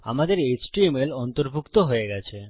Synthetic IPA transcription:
a̰mad̪eɾet͡ɕʈiemelɔnt̪oɾbʱukt̪oɦoeɡɛt͡ɕʰe

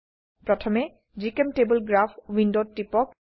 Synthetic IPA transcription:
pɹɔtʰɔmɛ | d͡ʒikemʈebəlɡɹapʰwindotːipɔk

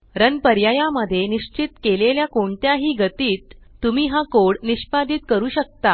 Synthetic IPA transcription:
ɾənpəɾjajaməd̪ʱːjeniɕt͡ɕit̪keleljakoɳt̪jaɦiːɡət̪iːt̪ːumiːɦakoɽniɕpad̪iːt̪kəɾuːɕək̚t̪a

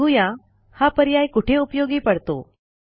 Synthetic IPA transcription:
ujã | hapəɾjajkuʈʰeupjoɡiːpəɽt̪o̰

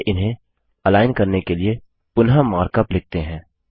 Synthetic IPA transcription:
ʔɪnɦẽ | ɐlaːɪnkɐɾnekelie | pʊnɦamaːɾkəplɪk̚t̪eɦɛ̃ː

